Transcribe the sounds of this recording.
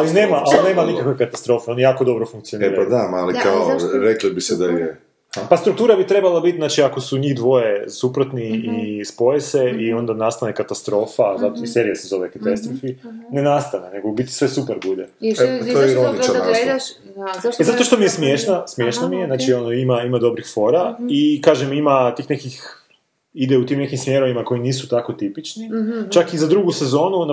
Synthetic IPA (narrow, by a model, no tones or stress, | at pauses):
aline̞ːmaalineːmanikakʋekat̪ast̪ɾo̞ːfeonjaːkod̪o̞bɾofuŋk̚t̪sioneɾapad̪aalikaoɾeklibised̪aje | past̪ɾuk̚t̪uːɾabit̪ɾebalabit̪znaːt͡ʃiako̞suɲiːɣd̪ʋo̞je̞supɾot̪niispo̞jeseio̞nd̪anast̪anekat̪ast̪ɾo̞ːfazat̪oise̞ɾijasezo̞ʋekat̪ast̪ɾofinenast̪aneneɡobit̪i̥sʋe̞supeɾbud̪eojeiɾonit͡ʃaa | ezat̪oʃt̪o̞mijesmjeʃnasmje̞ʃnamijenaːt͡ʃionoimaimad̪o̞bɾixfo̞ɾaikaːʒemimat̪iːxnekix | id̪eut̪iːmnekimsmʲje̞ɾo̞ʋimako̞iniːsut̪ako̞t̪ipit͡ʃnit͡ʃakizad̪ɾuɡusezo̞ːnuna